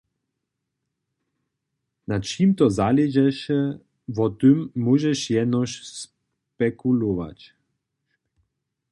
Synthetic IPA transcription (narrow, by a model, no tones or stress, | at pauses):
nat͡ʃiːmt̪ɔzalɛd͡ʒɛʃɛ | vɔt̪ømːuʒɛʃjɛnɔʃs | pɛkulova̰t͡ɕ